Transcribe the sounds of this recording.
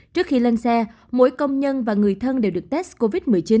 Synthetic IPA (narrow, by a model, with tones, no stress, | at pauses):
t͡ɕɨ˦˥ək̚xi˧lə˧nsɛ˧ | mo̰˧˥jkə˧wŋ͡mɲə˧nvaː˨˩ŋɨ˨˩əjt̪ʰə˧nɗe˨˩wɗɨ˨˩ək̚t̪ɛ˦˥sko˧vi˦˥t̚mɨ˨˩əjt͡ɕi˨˦n